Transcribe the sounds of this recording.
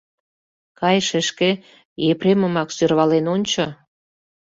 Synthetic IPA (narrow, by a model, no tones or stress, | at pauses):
kɑjʃeʃke | jepreməmɑksørβɑlenonʲt͡ɕo